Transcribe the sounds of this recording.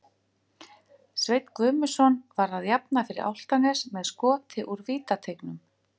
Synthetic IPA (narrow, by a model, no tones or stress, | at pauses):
svejt̪kvʏːmʏsɔnvaɾaðjapnafɪɾɪ̰ɾa̰wl̥t̪anɛsmɛðskɔːt̪ʰɪʔuɾviːt̪at̪ʰejknʏm